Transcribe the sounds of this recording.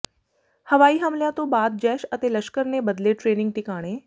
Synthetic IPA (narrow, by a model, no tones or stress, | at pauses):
həʋaːiːɦəmljãt̪õːbaːd̪̚d͡ʒɛːʃət̪eːləʃkəɾnebəd̪leːʈɾeːnɪ̃ŋɡ̚ʈɪkaːɽ̃eː